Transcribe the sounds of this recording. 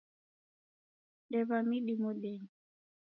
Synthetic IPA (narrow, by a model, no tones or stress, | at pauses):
ɗɛβamiɗimɔɗɛɲi